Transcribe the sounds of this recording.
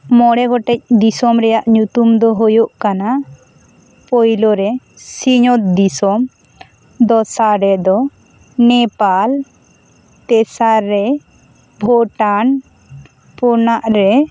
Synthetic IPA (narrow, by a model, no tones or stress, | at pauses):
mɔɽɛɡɔʈɛc̚d̪isɔmɾɛjaʔɲut̪umd̪ɔɦojoʔkana | pɔjlɔɾɛ | siɲɔt̪̚d̪isɔm | d̪ɔsaɾɛd̪ɔ | nɛpal | t̪ɛsaɾːɛ | bʱɔʈan | pɔnaʔɾɛ